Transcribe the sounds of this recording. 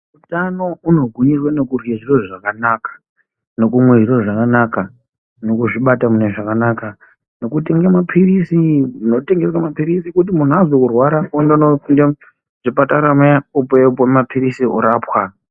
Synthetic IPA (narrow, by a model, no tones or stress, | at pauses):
utano̞uno̞ɡʱuɲirwano̞kurjeʐiroʐakanakḁ | no̞kumwe̞ʐiroʐakanaka | no̞kuʐiɓatamuneʐakanaka | no̞kute̞ŋɡemapʰiɾisiuno̞te̞ŋɡe̞swamapiɾisikut̬imun̤uazokurwaɾaondononde | ʐ̥ipataɾameaupepomapʰiɾisiṵɾaːpwa